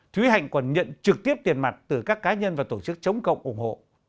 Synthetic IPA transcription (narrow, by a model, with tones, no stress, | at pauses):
t̪ʰwi˨˦ɦa̰˧˨jŋ̟kɔ˨˩nɲə̰˧˨nt͡ɕɨ˨˩k̚t̪i˦˥əp̚t̪i˨˩ənma˨˩t̚t̪ɨ˧˩kaː˦˥kːaː˨˦ɲə˧nvaː˨˩t̪o˧˩t͡ɕɨ˦˥k̚t͡ɕə˨˦wŋ͡mkə̰˧˨wŋ͡mʔu˧˩ŋ͡mho̰˧˨